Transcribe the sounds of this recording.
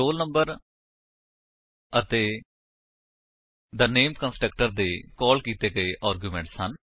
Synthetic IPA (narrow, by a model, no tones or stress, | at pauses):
oːlnəmbəɾ | ət̪eː | d̪əneːmkə̃nsʈək̚ʈəɾd̪eːkɔːlkiːt̪eːɡəeːʔaːɾɡjuːmɛ̃ːɳʈshən